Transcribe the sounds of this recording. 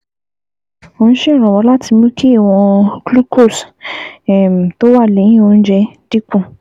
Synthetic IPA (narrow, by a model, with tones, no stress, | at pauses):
o˧ñ̩˦ʃẽ˦˨ɾ̃ɔ̃˨wɔ˧˦la˦tʰi˧mũ˦kʰi˦i˦˨w̃ɔ̃˧ɡlu˦ko˦˨s | ɛ˨m̩˨to˦wa˦˨le˨˦ĩ˦˨o˧n̩˦d͡ʒɛ˧d̥i˦kũ˦˨